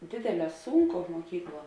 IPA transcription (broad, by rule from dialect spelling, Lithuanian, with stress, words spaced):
ˈdʲeːdʲeːˌlʲɛː ˈsuːŋˌkoː muɔˈkʲiːkˌlˠuɔ